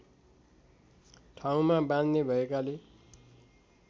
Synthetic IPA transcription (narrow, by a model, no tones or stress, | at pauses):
ʈʰaw̃mabãnd̪nebʱʌekale